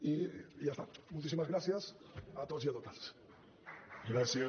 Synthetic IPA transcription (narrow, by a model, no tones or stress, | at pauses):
iʝast̪amult̪isimazɣɾasjasat̪osiat̪ot̪als | ɡɾasja